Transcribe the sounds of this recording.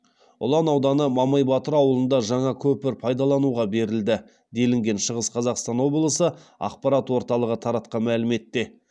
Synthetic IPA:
ʊ̰lˠɑnɑwd̪ɑnəmɑmɑjbɑt̪əɾɑwəlˠənd̪ɑʒɑɴɑkʲʰɵpɪɾpʰɑjd̪ɑlˠɑnuʁɑbe̞ɾɪld̪ɪ | d̪e̞lɪŋɡʲe̞nʃəʁəsqʰɑzɑqst̪ɑnwo̞blˠəsəɑ̰qpɑɾɑt̪wo̞ɾt̪ɑlˠəʁət̪ʰɑɾɑt̪̚qɑnmælɪme̞t̪ːe̞

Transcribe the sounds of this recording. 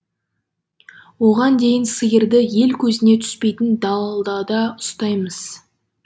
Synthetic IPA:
wo̞ʁɑnd̪e̞jɪnsəjəɾd̪ɪje̞lkʲʰɵzɪne̞t̪ʰʏ̥spe̞jt̪ɪnd̪ɑlˠɑlˠd̪ɑd̪ɑʊst̪ɑjməz̥

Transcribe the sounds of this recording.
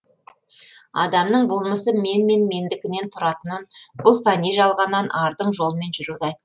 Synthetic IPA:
ɑ̰d̪ɑmnəɴbʊlˠməsəme̞nme̞nme̞nd̪ɪkʲɪne̞nt̪ʰʊɾɑt̪ənənbʊlˠfɑnʲiʒɑlˠʁɑnːɑnʔɑɾd̪əɴʒo̞lˠəme̞nʒʏɾud̪ɑjt̪

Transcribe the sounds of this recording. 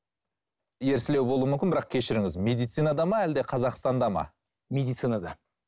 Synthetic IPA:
je̞ɾsɪlewbo̞lˠuəmʏmkʲɪnbɪɾɑq̚kʲʰe̞ʃɪɾɪŋʲɪzme̞d̪ijt̪sɨjnɑd̪ɑmɑæld̪e̞qʰɑzɑqst̪ɑnd̪ɑmɑ̰ | me̞d̪ijt̪sɨjnad̪ɑ

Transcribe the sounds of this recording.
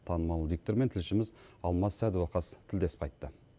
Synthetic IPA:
t̪ʰɑnəmɑlˠəd̪ʲik̚t̪oɾment̪ʰɪlʃɪmɪzɑlˠmɑssæd̪uwɑqɑst̪ʰɪld̪e̞sp̚qʰɑjt̪ːə

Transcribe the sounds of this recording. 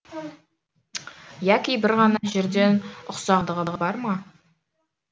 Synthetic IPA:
jækʲijbɪɾʁɑnɑʒeɾd̪e̞nʊqsɑʁd̪əʁəʁəbɑɾmɑ

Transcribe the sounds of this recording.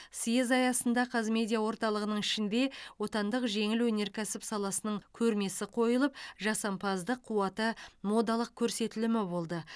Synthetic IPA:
sijezɑjɑsənd̪ɑqʰɑzme̞d̪ʲijawo̞ɾt̪ɑlˠəʁənəɴɪʃɪnd̪e̞wo̞t̪ɑnd̪əqʒe̞ŋɪlwɵne̞ɾkʲʰæsɪpsɑlˠɑsənəɴkʲʰɵɾme̞sɪqʰo̞jəlˠəp̚ʒɑsɑmpʰɑzd̪əqʰːuwɑt̪əmo̞d̪ɑlˠəq̚kʲʰɵɾse̞t̪ɪlɪmɪbo̞lˠd̪ə

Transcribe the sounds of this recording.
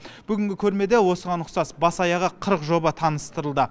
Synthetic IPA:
b̥ʏɡʲɪŋʲɡʲɪkʲʰɵɾme̞d̪e̞wo̞səʁɑnʊqsɑsbɑsɑjɑʁəqʰəɾəqʒo̞bɑt̪ʰɑnəst̪əɾəlˠd̪ə

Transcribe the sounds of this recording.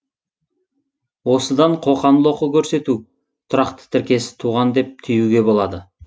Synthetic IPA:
wo̞səd̪ɑɴqʰo̞qɑmlˠoqəkʲʰɵɾse̞t̪u | t̪ʰʊɾɑqt̪ə̥t̪ʰɪɾkʲe̞sɪ̥t̪ʰuʁɑnd̪e̞p̚t̪ʰʏjuɡʲe̞bo̞lˠɑd̪ə

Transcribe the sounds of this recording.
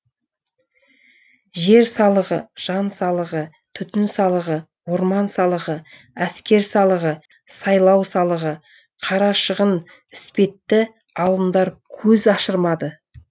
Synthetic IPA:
ʒe̞ɾsɑlˠəʁəʒ̥ɑnsɑlˠəʁə | t̪ʰʏt̪ɪnsɑlˠəʁə | wo̞ɾmɑnsɑlˠəʁə | æskʲe̞ɾsɑlˠəʁə | sɑjlˠɑwsɑlˠəʁə | qʰɑɾɑʃəʁən | ɪspe̞t̪ːɪ | ɑlˠəmd̪ɑɾkʲʰɵzɑʃəɾmɑd̪ə

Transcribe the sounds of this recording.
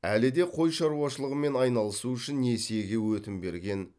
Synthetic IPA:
ælɪd̪e̞qʰo̞jʃɑɾuwɑʃəlˠəʁəme̞nɑjnɑlˠəsuʏʃɪnːe̞sije̞ɡʲe̞wɵt̪ɪmbe̞ɾɡʲe̞n

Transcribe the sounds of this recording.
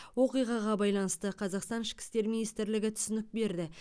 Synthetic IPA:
wo̞qijʁɑʁɑbɑjlˠɑnəst̪əqʰɑzɑqst̪ɑnɪʃkʲɪ̥st̪e̞ɾminist̪ɾlɪɡʲɪt̪ʰʏ̥sɪnɪk̚be̞ɾd̪ɪ

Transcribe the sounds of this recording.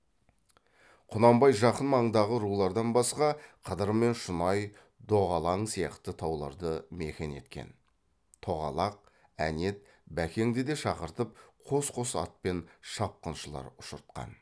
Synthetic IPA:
qʰʊnɑmbɑjʒɑqənmɑɴd̪ɑʁəɾulˠɑɾd̪ɑnbɑsqɑqʰəd̪əɾme̞nʃʊnɑj | d̪o̞ʁɑlˠɑɴsijɑ̰qt̪ət̪ʰɑwlˠɑ̰ɾd̪əme̞kʲe̞ne̞̰t̪kʲe̞̰n | t̪ʰo̞ʁɑ̰lˠɑq̚ | æ̰ne̞t̪̚ | bækʲe̞ŋd̪ed̪e̞ʃɑqəɾt̪əp̚qʰo̞sqʰosɑ̰t̪̚pe̞nʃɑp̚qənʃəlˠɑ̰ɾʊʃəɾt̪̚qɑ̰n

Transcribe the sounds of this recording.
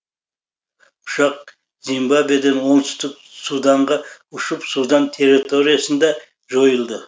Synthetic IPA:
ʊʃɑq̚ | zimbabed̪enwo̞ɴt̪ʰʏ̥st̪ɪk̚ | sud̪ɑɴʁɑʊʃəpsud̪ɑnt̪ʰe̞ɾit̪ʰo̞ɾijasənd̪ɑ | ʒo̞jəlˠd̪ə

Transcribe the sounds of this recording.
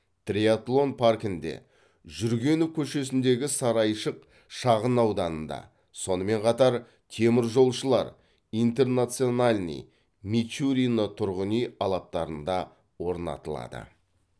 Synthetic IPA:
t̪rʲiat̪lˠo̞npʰarkɪnd̪e̞̰ | ʒʏɾɡʲe̞nukʲʰɵʃe̞sɪnd̪e̞ɡʲɪsɑɾɑjʃəq̚ | ʃɑʁənɑwd̪ɑnənd̪ɑ̰ | so̞nəme̞ɴqʰɑt̪ɑɾ | t̪ʰe̞mɪɾʒo̞lˠʃəlˠɑ̰ɾ | ijnt̪e̞rnat̪sijo̞nalʲnḭj | mit͡ʃuɾijnət̪ʰʊɾʁənijɑlˠɑp̚t̪ɑɾənd̪ɑ | wo̞ɾnɑ̰t̪əlˠɑ̰d̪ə̰

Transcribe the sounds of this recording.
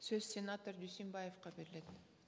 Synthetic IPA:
søz̥sʲenat̪oɾd̪ysʲimbajefqɑbe̞ɾɪle̞t̪

